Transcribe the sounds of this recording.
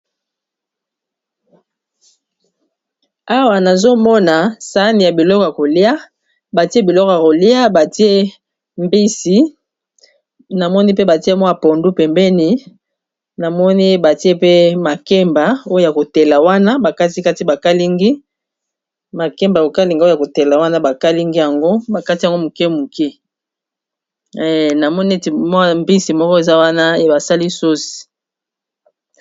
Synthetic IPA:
a˦wa˨na˨zo˦mɔ˦na˨sa˦ni˨ja˨bi˨lɔ˦kɔ˨ja˨ko˨li˦a˦ | ba˨ti˦e˦bi˨lɔ˦kɔ˨ja˨ko˨li˦a˦ba˨ti˦e˦ | mbi˦si˨˦ | na˨mɔ˦ni˦pe˦ba˨ti˦e˦mwa˨po˨ndu˦pɛ˨mbɛ˦ni˨ | na˨mɔ˦ni˦ba˨ti˦e˦pe˦ma˨kɛ˦mba˨o˦jo˦ja˨ko˨tɛ˨la˨wa˦na˦ba˨ka˦ti˦ka˦ti˦ba˨ka˦li˦ŋɡi˦ | ma˨kɛ˦mba˨o˨ka˦li˨ŋɡa˦ja˨ko˨te˨la˨wa˦na˦ba˨ka˦li˦ŋɡi˦ja˨ŋɡo˦ba˨ka˦ti˦ja˨ŋɡo˦mu˨kɛ˦mu˨kɛ˦˨ | na˨mɔ˦ni˦e˦te˨m˦˨mbi˦si˨mɔ˦kɔ˦e˨za˦wa˦na˦e˦ba˨sa˦li˦so˦si̥˨

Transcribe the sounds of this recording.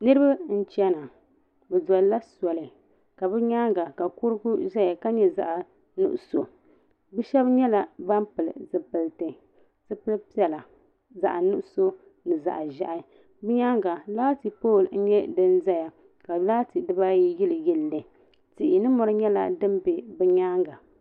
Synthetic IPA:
nɨ˦ɾɨ˦ba˦n̩˦t͡ʃɛ˦na˨ | bɛ˨dɔ˨lla˦sɔ˨lɨ˨ | ka˨bɛ˦ɲa˦ŋɡa˨ka˨kʊ˦ɾɡu˦ʒa˦ja˨ka˦ɲɛ˦za̰˨ʔa˨ | nṵ˦ʔʊ˨so˨ | bɛ˦ʃɛ˦bɲɛ˦la˦ba˦mpɨ˨lɨ̰˨zɨ˨pɨ˨ltɨ˨ | sɨ˦pɨ˦lpi˦ɛ˨la˨ | za̰˨ʔa˨nu˦ʔʊ˦so˦ | nɨ˨za̰˨ʔa˨ʒa̰˨ʔa˨˦ | bɨ˦ɲa˦ŋɡa˨laː˦ti˨poː˦˨ln̩˦ɲɛ˦dɨ˦nza˦ja˨ | ka˨laː˦ti˨dɨ˦ba˦ji˦jɪ˦lɨ˨jɛ˦lːɨ˨ | ti˨ʔɪ˨nɨ˦mɔ˦ɾɨ˦ɲɛ˦la̰˦dɨ˦m˦be˨bɨ˦ɲaː˦ŋɡa˨

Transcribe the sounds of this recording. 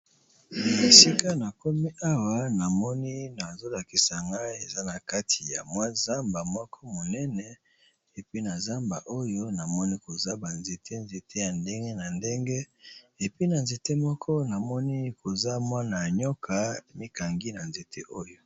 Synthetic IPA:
e˨si˦ka˦na˨ko˦mi˦ʔa˦wa˨na˨mɔ˦ni˦na˨zo˦la˨ki˨sa˨ŋɡa˦i˦e˨za˦na˨ka˦tʰi˨ja̰˨mwa˦za˦mba˨mɔ˦kʰɔ˦mo˨nɛ˦nɛ˨ | e˨pi˦na˨za˦mba̰˨ʔo˦jo˦na˨mɔ˦ni˦ko˨za˦ba˨nze˨tʰe˦nze˨tʰe˦ja˨nde˦ŋɡe˦na˨nde˦ŋɡe˦ | e˨pi˦na˨nze˨te˦mɔ˦kʰɔ˦na˨mɔ˦ni˦ko˨za˦mwa˦na˨ɲɔ˦kʰa˦mi˦ka˨ŋɡi˦na˨nze˨tʰḛ˦ʔo˦jo˦

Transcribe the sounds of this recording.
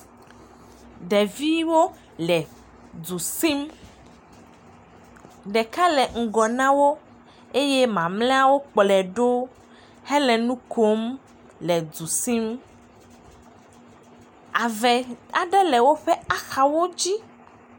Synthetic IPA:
ɖɛ˨vi˦wo˦ | lɛ˨ | du˨si˦m | ɖɛ˨ka˦lɛ˨ŋ̩˨ɡɔ˨nã˦wo˦ | e˦jɛ˦mã˨mlɛ̃˦a˦wo˦k͡plɛ˨ɖo˦ | hɛ˦lɛ˨nũ˦ko˦m | lɛ˨d̪u˨si˦m | a˨vɛ˨a˨ɖɛ˦lɛ˨wo˦ɸɛ˦a˦˨xa˨wo˦d͡ʑi˦

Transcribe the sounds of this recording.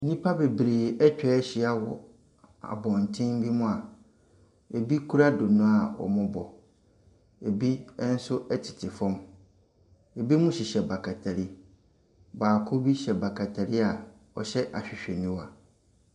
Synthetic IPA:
n̩˦nĩ˦pʰa˦be˨bɾeː˨ɛ˦t͡ɕᶣɛ˦ɕɪ˨a˦wɔ˨ | a̰˨bɔ̃˨n˨tʰɪ̃˦m˦bi˦mʊ̃˦a˨ | e˨bi˦kʰu˦ɾa˦dʊ˨nʊ̃˦a˨wɔ̰˨mʊ̃˦bɔ˨ | e˨bi˦ɛ̃˦n̩˦sʊ˦ʔɛ˦tʰɪ̥˨tʰɪ˨fɔ̃˦m | e˨bi˦mʊ̃˦ɕi˨ɕɛ˨ba˨kʰa˨tʰa˨ɾi˦ | baː˨kʰʊ˦bi˦ɕɛ˨ba˨kʰa˨tʰa˨ɾi˦a˨ | ɔ̰˨ɕɛ˦ʔa˨ɕᶣɪ˨ɕᶣɛ˨nĩ˦wa˨

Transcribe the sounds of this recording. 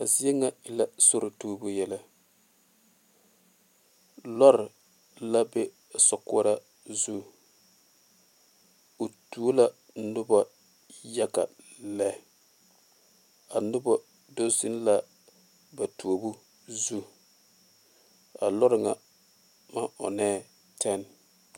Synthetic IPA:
ka˨zi˦e˦ŋa˦ɪ˨la˦so˦ɾɪ˨tuː˦bu˦jɛ˦la˦ | lɔ˦ɾɪ˨ | la˦be˦˨ | sɔ˨kɔ˦ɾa˦ | zu˦ | o˨tu˦o˦la˦ | nʊ˦ba˦ | ja˦ka̰˨ | lɛ˦˨ | a˨nʊ˦bɔ˦ | do˦zɪ˦n˦la˦ | ba˨tu˨o˨bu˦ | zu˦ | a˨lɔ˦ɾɪ˨ŋa˨ | ma˦ʊ̰˨nɛː˦˨ | tʰɛ˦n˨

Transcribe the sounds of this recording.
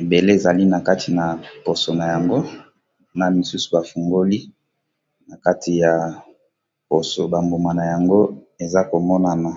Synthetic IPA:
e˨be˨le˦e˨za˨li˦na˨ka˦tʰi˨na˨po˨so˨na˨ja˨ŋɡo˦ | na˨mi˨su˦su̥˨ba˨fu˨ŋɡo˦li˦ | na˨ka˦tʰi˨ja˨ | po˨so˨ba˨mbo˨ma˨na˨ja˨ŋɡo˦ | e˨za˦ko˨mɔ˦na˨na˨

